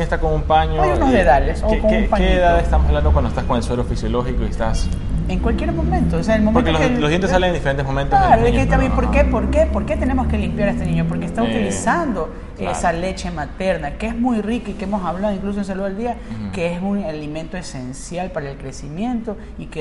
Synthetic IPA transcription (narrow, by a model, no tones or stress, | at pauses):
est̪akoŋumpaɲoajunozðet̪aʎesokoŋeumpaɲeːðaðest̪amosaβland̪okwandoest̪askoŋelswelofisjoloxikoiest̪as | eŋkwalkje̞ɾmo̞mẽnt̪oseaelmomẽnkeooeloðjent̪esaleŋend̪ifeɾent̪emomẽnt̪olaɾoeet̪aepoɾkepoɾke̞po̞ɾke̞t̪e̞ne̞mo̞ske̞limpjaɾest̪enĩɲopo̞ɾkest̪aut̪ilisand̪o̞ | esale̞t͡ʃe̞mat̪e̞ɾnakeezmujrikakeemo̞saβlaðoiŋklusoens̬aluðald̪iakeesunalimẽ̞nt̪oe̞sensjalpaɾaelkɾe̞simje̞nt̪o̞ | ike